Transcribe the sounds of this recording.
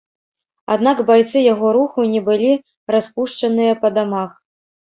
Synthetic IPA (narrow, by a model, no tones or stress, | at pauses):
a̰d̪naɡbajt̪sɨjaɣɔɾuxunʲɛbɨlʲi | raspuʂt͡ʂɐnɨjɐpɐd̪amax